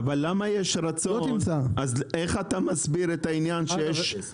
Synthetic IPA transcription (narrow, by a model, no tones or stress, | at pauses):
valːamajeʃɾat͡sonmt͡saaze̞χat̪amasbiɾet̪ainjanʃejeʃʃ